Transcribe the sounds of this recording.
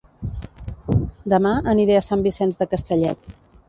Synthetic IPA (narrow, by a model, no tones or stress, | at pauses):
d̪əmaəniɾeəsambisɛnzðəkəst̪əʎɛ̰t̪